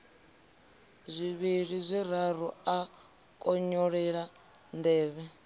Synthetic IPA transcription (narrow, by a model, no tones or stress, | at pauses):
zʷiβiɺizʷiɾaɾ̤ua | kʼɔɲɔɺɛɺa | ndɛːβɛ